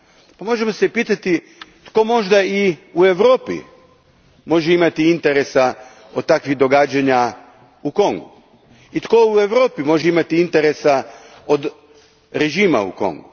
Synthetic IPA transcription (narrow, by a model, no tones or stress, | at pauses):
pamo̞ʒemo̞sepiːt̪at̪i | t̪ko̞mo̞ʒd̪aiue̞ʋɾo̞ːpḭ | mo̞ʒeimat̪iint̪eɾesa | od̪̚t̪akʋiɣd̪o̞ɡaːd͡ʑaɲa | uko̞ŋɡu | it̪ko̞ue̞ʋɾoːpimo̞ʒeimat̪iint̪e̞ɾesa | od̪ | ɾe̞ʒiːma̰ṵko̞̰ŋɡu